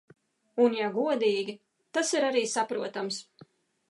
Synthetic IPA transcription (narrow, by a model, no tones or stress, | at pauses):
unjaɡuɔd̪iːɡʲi | t̪asiɾaɾiːsapɾuɔt̪ams